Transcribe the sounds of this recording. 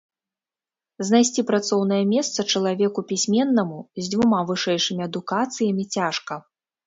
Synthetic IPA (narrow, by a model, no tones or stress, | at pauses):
znajsʲt͡sʲipɾat̪sɔwnɐjɐmʲɛst̪sɐt͡ʂɐlˠavʲɛkupʲisʲmʲɛnːɐmuzʲd͡zʲvumavɨʂɛjʂɨmʲiɐd̪ukat̪sɨjɐmʲit͡sʲaʂkɐ